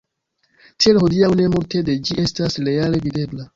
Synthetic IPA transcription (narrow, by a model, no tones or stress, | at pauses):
tielho̞diawne̞multe̞de̞d͡ʒiʔe̞stasle̞ale̞vide̞bla